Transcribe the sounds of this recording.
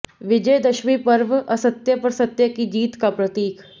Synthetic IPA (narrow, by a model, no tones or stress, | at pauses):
ʋɪd͡ʒəjd̪ɐʃʋipɐɾʋɐsət̪jəpɐɾsɐt̪jəkid͡ʒiːt̪kapɾɐt̪iːkʰ